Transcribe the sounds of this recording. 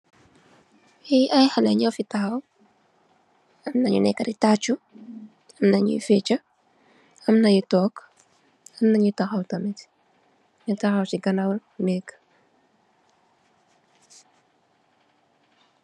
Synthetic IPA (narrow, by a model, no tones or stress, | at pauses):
iɐjhɐlɐɲɐwfitɐxɐw | ɐmnɐɲṵnɛ̰kːɐɾitat͡ʃu | ɐmnɐɲṵjḭfɛt͡ʃɐ | ɐmnɐjitɔk | ɐmnɐɲutɐxɐwtɐmɛt | ɲutɐxɐwt͡ʃiɡɐnawnɛkː